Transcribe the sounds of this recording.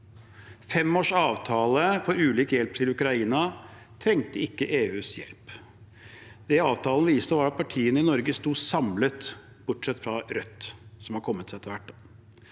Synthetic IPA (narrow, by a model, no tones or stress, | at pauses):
fɛmoːʂɑːʋt̪ʰɑːləfɔɾʉːliːkjɛlpt̪ʰɪlʉkɾɑiːnɑ | t̪ʰɾɛŋt̪əɪkːəʔeːʉːsjɛ̰lp | d̪̥ɛɑːʋt̪ʰɑːlənəʋiːst̪əʋɑːɾɑt̪̚pʰɑʈʰiːənəɪnɔɾɡəst̪uːsɑmlət̪ | b̥ʊʈʂɛt̪ːfɾɑɾœt̪ːsɔmhɑɾkʰɔmːət̪sɛt̪ːəɾʋæʈː